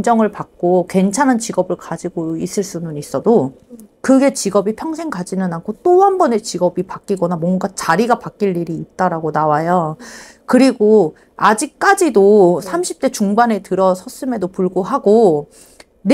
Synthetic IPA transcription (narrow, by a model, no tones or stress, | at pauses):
d͡ʑʌŋɯɭpak̚k͈okwe̞nt͡ɕʰanɦant͡ɕiɡʌbɯɭkad͡ʑiɡois͈ɯɭs͈unɯnis͈ʌdo | kɯɡe̞t͡ɕiɡʌbipʰjʌŋsʰe̞ŋkad͡ʑinɯnankʰot͈oanbʌne̞t͡ɕiɡʌbipak͈iɡʌnamwʌŋɡat͡ɕaɾiɡapak͈iɭːiɾiːt̚t͈aɾaɡonawajʌ | kɯɾiɡo | ad͡ʑik̚k͈ad͡ʑidosʰamɕʰi̥p̚t͈e̞t͡ɕuŋbane̞tɯɾʌsʰʌs͈ɯme̞dopuɭɡoɦaɡo | n